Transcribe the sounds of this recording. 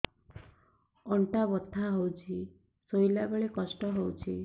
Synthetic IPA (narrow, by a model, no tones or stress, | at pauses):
ɔɳʈabɔt̪ʰːaɦowt͡ʃʰi | sojlabeɭekɔsʈɔɦowt͡ʃʰi